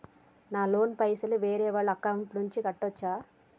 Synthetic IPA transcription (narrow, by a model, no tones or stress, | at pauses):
naːlo̞ːnpɐjsɐluʋeːɾɛːʋaːɭːuɐkɐwɳʈnuɲt͡ʃikɐʈːɔt͡ʃːaː